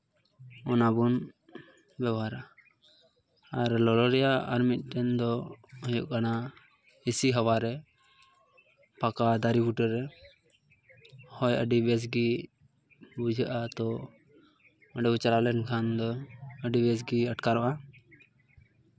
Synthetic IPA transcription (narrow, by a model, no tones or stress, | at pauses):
ɔnabun | bɛbɦaɾa | aɾlɔlɔɾɛjaa̰ɾmit̪̚ˀʈɛnd̪ɔɔ̃jɔ̰ʔkana | isiɦəwaɾɛ | pakad̪aɾibuʈəɾɛ | hɔjəɖibɛs̬ɡi | bud͡ʒʱəʔat̪ɔ | əɖɛbut͡ʃalalɛnkʰand̪ɔəɖibɛsɡiəʈkaɾɔʔa